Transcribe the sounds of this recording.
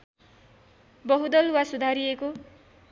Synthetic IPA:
bʌɦud̪ʌlwasud̪ʱaɾijeko

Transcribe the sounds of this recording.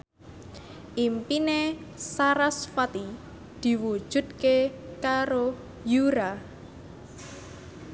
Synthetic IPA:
ʔimpinesaɾasfat̪i | d̪̥i̤wu̥ʒ̥ṳd̪̚kekaɾo | juɾa

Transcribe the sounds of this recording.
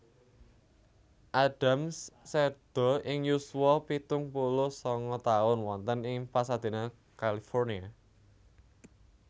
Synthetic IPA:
ʔaɖ̥a̤mssed̪̥ɔ̤ɪŋjuswɔpit̪ʊŋpulʊsɔŋɔt̪aʊnwɔnt̪ənɪŋpasad̪̥e̤na | kalifɔrnia

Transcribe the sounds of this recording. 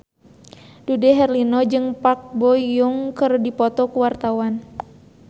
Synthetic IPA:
dudɛɦɛrlinɔd͡ʒɨŋpak̚bɔjuŋkɨrdipɔt̪ɔkuwart̪awan

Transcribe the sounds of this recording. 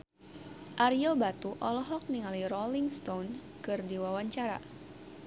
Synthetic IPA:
ʔaɾiobat̪uʔɔlɔɦɔk̚niŋaliɾɔliŋst̪on | kɨrdiwawaɲt͡ʃaɾa̰

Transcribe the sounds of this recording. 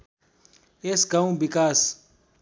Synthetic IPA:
esɡaũbikʼaːs

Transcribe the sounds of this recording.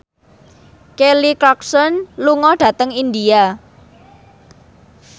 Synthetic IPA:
kelikɾɔksɔnluŋɔɖ̥ä̤t̪əŋind̪ia

